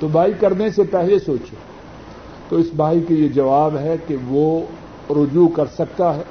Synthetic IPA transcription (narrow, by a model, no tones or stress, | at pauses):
t̪obʱaːikɐɾnesepɛɦlesoːt͡ʃe | t̪oɪsbʱaːikejed͡ʒɐʋaːbɦɛkeʋo | ɾʊd͡ʒukɐɾsɐk̚t̪aɦɛ